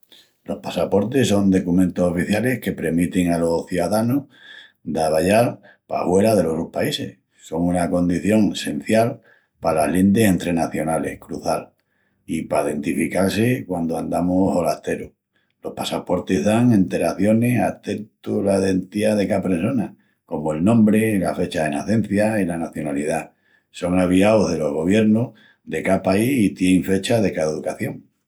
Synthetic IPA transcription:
lo̞hpasapo̞ɾt̪eso̞nd̪o̞kumẽnt̪oso̞fiθjale̞hke̞pɾe̞mit̪eŋalo̞θjuðaðanoh | d̪aβaʎal | pa̰hwe̞ɾaðe̞lo̞sohpaise̞h | so̞ŋunako̞nd̪iθjo̞ŋese̞n̟θjal | palaɦlind̪esẽ̞nt̪ɾe̞naθjo̞nale̞̰hkɾuθal | ipaiðe̞nt̪ifikalse̞kwand̪oand̪amoholaht̪e̞ɾo | lo̞hpasapo̞ɾt̪e̞zðaŋẽ̞nt̪e̞ɾaθjo̞ne̞sa̰t̪e̞nt̪ulaiðent̪iaðekapɾeso̞na | ko̞moe̞lnõ̞mbɾe̞la̰fe̞t͡ʃaðe̞naθẽ̞n̟θjailanaθjo̞nalið̞a | so̞ŋaβ̞iaoɦðe̞lo̞ɦɣ̞o̞β̞je̞ɾno | d̪e̞kapaihit̪jeeŋfe̞t͡ʃaðe̞kaðeðukaθjo̞ŋ

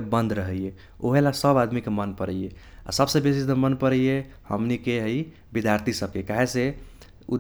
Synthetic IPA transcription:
bənd̪ʱɾəɦəje | oɦelasəbad̪mikemənpəɾəje | a̰səbsẽbesist̪əmənpəɾəje | həmnikeɦəi | bid̪ʱjaɾt̪ʰisəb̚kekaɦese | ud̪

